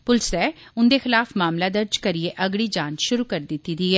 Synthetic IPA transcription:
pʊlsɛː | ʊnd̪eːxɪlaːfmaːmlaːd̪əɾd͡ʒkəɾieʔəɡɭiːd͡ʒaːnʃʊɾuːkəɾd̪ɪt̪ːiːd̪iɦɛː

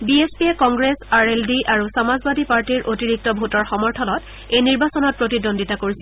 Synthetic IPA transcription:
biespiekɔŋɡɹesaɹeldiʔaɹusamazbadʱipaɹtiɹʔotiɹik̚tɔbʱutɔɹxɔmɔɹtʰɔnɔt | ejniɹbasɔnɔt̚pɹotidonditakoɹisɛ

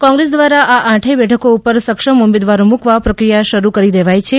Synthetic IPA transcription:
kɔ̃ŋɡɾes̬d̪ʋaɾaʔaʔãʈʰebɛʈʰəkoupəɾsəkʃəmumed̪ʋaɾũmũkʋapɾəkɾijaʃəɾukəɾid̪eʋajt͡ʃʰe

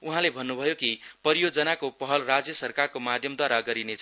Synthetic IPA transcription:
uɦãlebʱʌnːubʱʌjokipʌɾijod͡zʌnakopʌɦʌlrad͡zjʌsʌrkarkomad̪ʱjʌmd̪waɾaɡʌɾinet͡sʰʌ

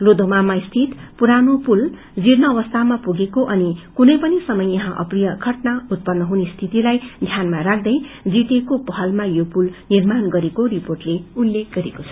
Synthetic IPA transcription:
lod̪ʱomamaist̪ʰit̪puɾanopul | d͡zirnʌːβʌst̪ʰamapuɡekoʔʌnikunʌjpʌnisʌmʌjʌɦãʔʌ̰prijʌkʰʌʈnaut̪̚pʌnːʌɦunest̪ʰit̪ilajd̪ʱjanmaɾak̚ʰd̪ʌjd͡zit̪ekopʌɦʌlmajopulnirmanɡʌɾekoriporʈleulːek̚ɡʌɾekot͡sʰʌ̥

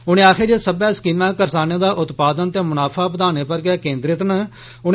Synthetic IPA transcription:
ʊnẽːaːkʰeːd͡ʒeːsəbɛːskiːmãːkəɾsaːnẽːd̪aːʔʊt̪paːd̪ənt̪eːmʊnaːpʰaːpəd̪aːneːpəɾɡɪɛːkẽːnd̪ɾɪt̪nə | ʊn

